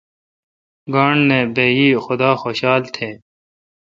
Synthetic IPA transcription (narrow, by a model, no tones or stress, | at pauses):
ɡaːɳneːbeːjiːxʊd̪aːxoːɕaːlt̪ʰeː